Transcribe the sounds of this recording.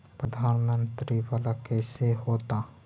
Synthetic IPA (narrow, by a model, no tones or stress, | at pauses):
pɾəd̪ʱaːnmə̃nt̪ɾiʋaːlakɛːseɦoːt̪a